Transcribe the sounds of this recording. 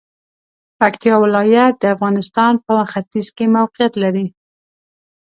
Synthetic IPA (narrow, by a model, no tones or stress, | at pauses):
pakt̪ijɑwɪlɑjat̪̚d̪əafɣɑnɪst̪ɑnpəxat̪izkemawqijat̪laɾi